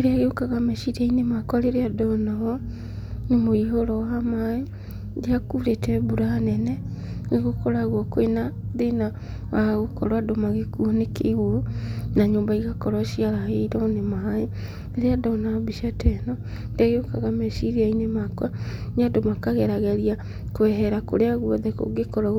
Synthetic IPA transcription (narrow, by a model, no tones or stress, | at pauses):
eɾeaɣeokaɣamɛʃiɾainemakwaleɾeadɔnaɣɔ | nemoiɦoɾɔwamae | deakuɾetɛβuɾanɛnɛ | neɣokoɾaɣwokoenaðena | waɣokɔ̰ɾwadomaɣekuonekḛiɣwonaɲoːmbaiɣakɔɾɔʃiaɾaheɾɔnemae | eɾeadaːnabiʃiatɛnɔ | ndeaɣeokaɣamɛʃiɾiainemakwanadomakaɣɛɾaɣɛɾia | koɛɦɛɾako̰ɾeaɣwɔðɛko̰ɡekɔɾa